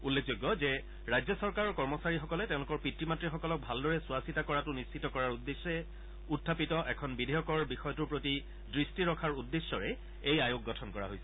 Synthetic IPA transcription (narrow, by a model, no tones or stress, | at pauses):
ulːek̚ʰzojɡːɔzɛ | ɹajzjɔsɔɹkaɹɔɹkɔɹmɔsaɹixɔkɔlɛtɛ̃ʊ̃lʊkɔɹpɹitɹimatɹixɔkɔlɔk̚bʱaldɔɹɛsuasitakɔɹatʊnist͡ʃitɔkɔɹaɹudːesːɛ | utʰːapitɔʔɛkʰɔnbidʱejɔkɔɹbixɔjɔtuɹpɹoti | dɹistiɹɔkʰaɹudːesːɔɹɛ | ejajok̚ɡɔtʰɔnkɔɹa̰ɦojsɛ